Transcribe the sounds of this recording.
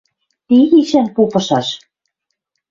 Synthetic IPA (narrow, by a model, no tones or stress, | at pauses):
t̪iɣiʃænpupɤ̆ʃɑʃ